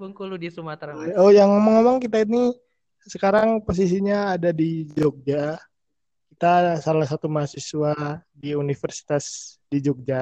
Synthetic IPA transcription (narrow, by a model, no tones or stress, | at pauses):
buŋkuludisumat̪aojaŋemɔŋemɔŋkit̪aini | səkaɾaŋpos̬is̬iɲaːdadid͡ʒok̚d͡ʒa | kit̪asalahsat̪umaɦasisuadiunifərsi̥t̪asdid͡ʒɔk̚d͡ʒa